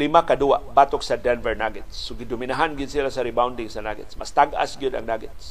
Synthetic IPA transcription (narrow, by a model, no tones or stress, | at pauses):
limakadua̰ʔbaːt̪ʊksadɛnvɛɹnaɡɛt̪sːʊɡɪdʊminaɦanɡɪd̪silasaɾɪbawndɪŋsanaɡɛ̰t̪sma̰st̪aɡa̰sɡiʊd̪a̰ŋnaɡɛt̪s